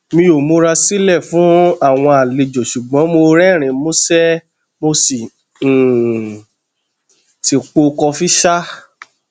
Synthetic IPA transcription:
mĩ˧o˨mo˧ɾa˧si˦lɛ˦˨fũ˨˦a˦˨w̃ɔ̃˧a˨le˨d͡ʒo˨ʃu˨ɡ͡bɔ̃˨˦mo˧ɾɛ˦˨ɾ̃ĩ˨mõ˦sɛ˦ | mo˧sĩ˨ | ti˨k͡po˧kɔ˧fi˦ʃa˦

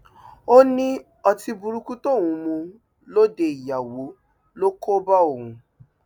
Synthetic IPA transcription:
o˦nĩ˦ | ɔ˧ti˧bu˧ɾu˧ku˦to˦˨w̃ũ˨˧mũ˧ | lo˦de˧˨i˨ja˨wo˨˦ | lo˦kʰo˦ba˦o˦˨hũ˨˧

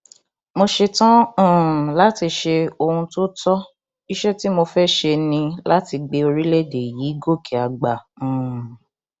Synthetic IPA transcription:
mo˧ʃe˧tã˦˨la˦ti˧ʃe˧o˧ɾũ˧to˦tɔ˦ | i˦ʃɛ˦ti˦mo˧fɛ˦ʃe˧nĩ˧la˦ti˧ɡ͡be˧o˧ɾi˦le˦˨de˨ji˨˦ɡo˦˨kʰi˨a˨ɡ͡bã˨

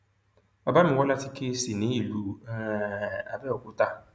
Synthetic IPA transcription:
ɔ˨ba˦mɪ˨wɔ˦la˦ti˦ke˦si˨ne˦i˨lu˨˦ | a˨bɛ˦ɔ˨kʷʊ˦ta˦˨

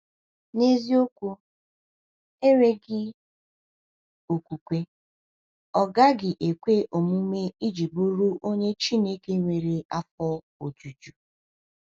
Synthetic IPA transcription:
ne˦zi˦o˦kʷu˦ | e˦ɾe˦ɡɪ˦ | o˨kʷu˨kʷe˦ | ɔ˦˨ɡa˦ɡɪ˨ʔe˨kʷe˦ʔo˨mu˦me˦i˦d͡ʒi˨bo˦ɾu˦ʔo˦ɲe˦t͡ʃi˦ne˦ke˦ŋʷe˨ɾe˨a˦fɔ˦ | o˨d͡ʒu˨d͡ʒu˨

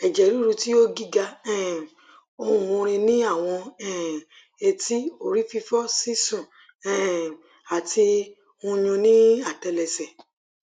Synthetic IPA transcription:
ɛ˨d͡ʒɛ˨ɾu˨˦ɾu˧ti˦o˦ɡi˦ɡa˧ɛ˦˨ | o˧˨o˧ɾ̃ẽ˧nĩ˦a˦˨w̃ɔ̃˧ɛ̃˦˨ | e˧ti˦o˨ɾi˦fi˧fɔ˦si˦sɔ̃˦˨ | ɛ̃˦˨ | a˨tʰi˧ | ũ˧ɲ̃ũ˧nĩ˦a˦˨tɛ˧lɛ˨sɛ˨

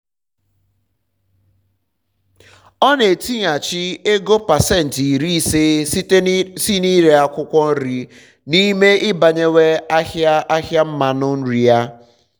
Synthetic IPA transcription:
ɔ˦ne˨ti˦ɲa˨t͡ʃi˦e˦ɡo˦pa˨se˦n̩˨ti˨ɾi˦se˦tsi˦ni˦ɾe˨a˨kʷʊ˦kʷɔ˦n̩˦ɾi˨ | ni˦me˦ɪ˦ba˨ɲe˦we˦a˦hja˦a˦hja˦m̩˦ma˨nʊ˦n̩˦ɾi˨ja˦

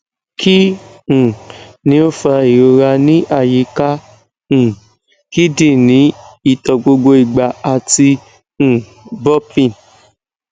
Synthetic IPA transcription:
kʰi˦ | ũ˨nĩ˨˦o˦fa˧i˨ɾo˧ɾa˧nĩ˦ʔa˦˨ji˨˦ka˦ | ũ˨ | ki˦dĩ˦˨nĩ˨˦i˦˨tɔ˨ɡ͡bo˧ɡ͡bo˧i˨ɡ͡ba˨a˧ti˧ | ũ˨ | bɔ˦pĩ˧˨n

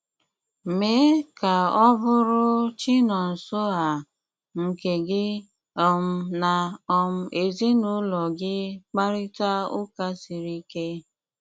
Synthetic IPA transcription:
me˨˦ka˨ɔ˦bʊ˦ɾʊ˦t͡ʃi˦nɔ˨n̩˨so˦a˨ | ŋ̩˨ke˨ɡɪ˦ | ɔ˨m̩˦na˨ɔ˨m̩˦e˨zi˦nʊ˦lɔ˨ɡɪ˦k͡pa˦ɾɪ˦ta˦ʊ˦ka˦si˨ɾi˦ke˦

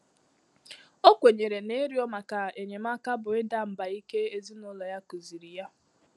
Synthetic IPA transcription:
o˦kʷe˨ɲe˨ɾe˨ne˦ɾi˦ɔ˦ma˨ka˨e˨ɲe˨ma˦ka˦bʊ˨e˦da˦˨m̩˨ba˨i˦ke˦e˨zi˦nʊ˦lɔ˨ja˦ku˨zi˨ɾi˨ja˦

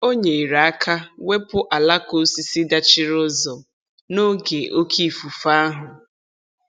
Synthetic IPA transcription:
o˦ɲe˨i˨ɾa˨a˦kʰa˦we˦pʊ˦ʔa˨la˦ko˦si˨si˦da˦t͡ʃɪ˦ɾʊ˦zɔ˨ | no˦ɡe˨ʔo˦kʰi˦˨fu˨fa˦a˦ɦʊ˨

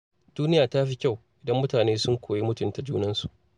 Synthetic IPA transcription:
d̥uː˦nɪ˦jaː˨ta˦ɸi˦kʲa˦˨wʔɪ˨dɐ˦mːʊ˦taː˨neː˦sʊ˦ŋkʷʰoː˨ji˦mʊ˦tʊ˨nta˨d͡ʒuː˦nɐ˦nsu˨ʔ

